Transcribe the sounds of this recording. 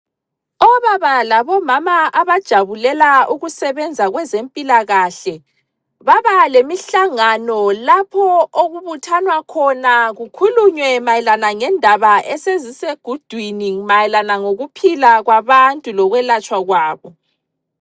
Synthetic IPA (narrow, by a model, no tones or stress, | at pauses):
ɔβaβalaβɔmamaaβad̥ʒ̥ʱaβulɛlauɣusɛβɛnd͡zʱaɣwɛzempʼilaɣaɬɛ | βaβalemiɬaŋanɔlapʰɔoɣuβutʰanwakʰɔnaɣukʰuluɲwɛmajɛlanaŋɛndʱaβaɛseziseɡ̥ʱud̥ʱwinimajɛlanaŋoɣupʰilaɣwaβantʼulɔɣwɛlat͡ʃʼwaɣwaːβɔ